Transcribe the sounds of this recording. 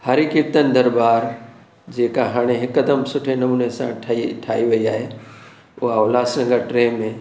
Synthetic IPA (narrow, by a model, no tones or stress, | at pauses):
hɐɾɪkɪp̚t̪ənɪ̆d̪ɐɾbaːɾ | d͡ʑeːkaɦaːɽ̃eɦɪkəd̪əmsʊʈʰenɐmuːnesã̰ʈʰʈʰaːiʋɐiaːɦe | ʊɦaʊlaːsɾɐ̃ŋɡaʈɾẽːmẽ